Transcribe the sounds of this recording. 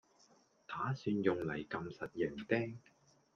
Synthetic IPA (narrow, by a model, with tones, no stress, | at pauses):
t̪ʰaː˨˥syː˧njʊ˨ŋlɐ˨˩jkɐ˧msɐ˨t̚jɛː˨˩ŋt̪ɛː˥ŋ